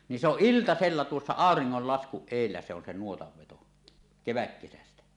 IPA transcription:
ni se oʔ ʔiltɑselːɑ tuosːɑ ɑˑoriŋːolːɑskuʔ ʔeˑilːæ se on se nuotɑʋ ʋeto keʋækːesæstæ

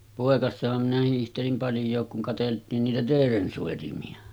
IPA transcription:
poˑekɑsːɑhɑm minæ hiːhtelim pɑljˑoːk kuŋ kɑteltˑiːn niːtæ teːren soˑitimiɑ

